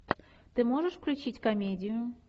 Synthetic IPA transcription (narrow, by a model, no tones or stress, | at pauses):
t̪ɨmoʐɨʂfklʲʉt͡ɕitʲkɐmʲedʲɪjʊ